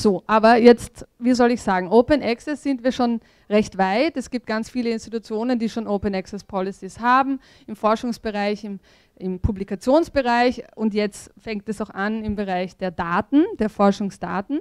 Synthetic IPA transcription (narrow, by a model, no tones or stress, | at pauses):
z̥oːʔaːbɐjɛt͡stviːzɔlɪçz̥aːɡŋ̩ʔoːpənʔɛksɛsz̥ɪntviːɐʃoːn | ʁɛçtv̥aɪtɛsɡ̥iːp̚t̚ɡ̥ant͡sfiːləɪnstitut͡sjoːnəndiːʃoːnoːpənɛksɛspʰɔlɪsishaːbm̩ | ɪmfɔɐʃʊŋsb̥əʁaɪçɪm | ɪmpʰublikat͡sjoːnsb̥əʁaɪçʔʊntjɛt͡stfɛŋk̚tɛsaʊxʔanɪmbəʁaɪçd̥eːɐdaːtn̩d̥eːɐfɔɐʃʊŋsd̥a̰ːtn̩